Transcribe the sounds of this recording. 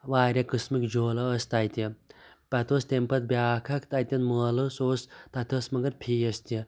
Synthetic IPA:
ʋaːɾʲɐkɨsmikd͡ʒoːlɐːst̪ajt̪ʲi | pɐt̪oːst̪empɐt̪̚bʲjaːkʰɐkt̪ajt̪ʲɐnmɐːlɨsoːst̪ɐt̪ʲʰɐsmɐŋɡɐɾpʰiːɐst̪i

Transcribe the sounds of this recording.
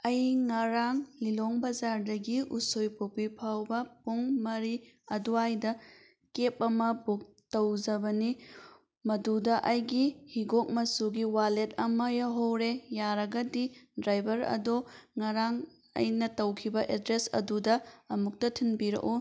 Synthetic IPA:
ɐjŋɐɾaŋliloŋbɐzaɾdɐɡiusojpʰopipʰawbɐpuŋmɐɾi | ɐduajdɐ | kep̚ɐmɐbuk̚ | tɐwzɐbɐni | mɐdudɐʔɐjɡihiɡok̚mɐsuɡiwalet̚ɐmɐjaɦowɾejaɾɐɡɐdidɾajbʱɐɾɐ̰doŋɐɾaŋ | ɐ̰jnɐtɐwkʰibɐʔedɾesɐ̰dudɐɐmuk̚tɐtʰinbiɾɐ̰ʔu

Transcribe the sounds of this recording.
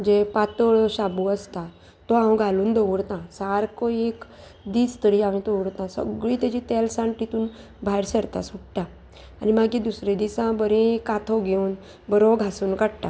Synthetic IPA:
d͡ʑepat̪əɭɕabuəst̪a | t̪ːɔãʋɡʱaluːnd̪ɔɽt̪ãsaɾkɔek | d̪iːt͡st̪əɾiaʋĩt̪oʋɽt̪ãsə̰ɡɭiːt̪at͡ɕit̪ɛlsãɳʈit̪uːn | bʱajɾsəɾt̪a̰suʈʈã | animaɡĩd̪usɾed̪isãbəɾẽkat̪ʰɔɡʱeuːn | bəɾɔɡʱasuːnkaɽʈ̪a

